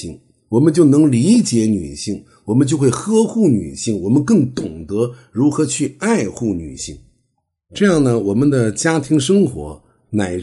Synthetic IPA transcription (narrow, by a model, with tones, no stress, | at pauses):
i˥˩ŋ | wɔ˨˩mə˧˦nt͡ɕjo˥˩ʊnɤ˧˥ŋli˧˥t͡ɕjɛ˧˥ny̰˨˩ɕi˥˩ŋ | wɔ˨˩mə˦nt͡ɕjo˥˧ʊxwe˥˩ɪxɤ˥xu˥˩ny̰˨˩ɕi˥˩ŋwɔ˨˩mə˧nkɤ˥˩ŋt̪ʊ˨˩ŋt̪ɤ˧˥ɻu˧˥xɤ˧˥t͡ɕʰy˥˧a˥˧ɪxu˥˩ny̰˨˩ɕḭ˥˩ŋ | ʈ͡ʂɤ˥˧jɑ˥˩ŋnə˩wɔ˨˩mə˦nd̪ə˨t͡ɕja˥t̪ʰi˧˥ŋʂ̬ɤ˥ŋxwɔ̰˧˥ | na˨˩ɪ